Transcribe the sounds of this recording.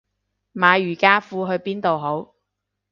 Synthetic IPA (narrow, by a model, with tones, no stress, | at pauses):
maː˨˧jyː˨˩kaː˥fuː˧ɦɵ˧ɥpiː˥nt̪o˨wɦo˨˥w